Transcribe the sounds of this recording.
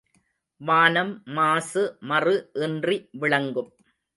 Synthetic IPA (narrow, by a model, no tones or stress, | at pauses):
ʋaːnɐmːaːsɯmɐrɯʔɛndriʋɪɭɐŋɡɯm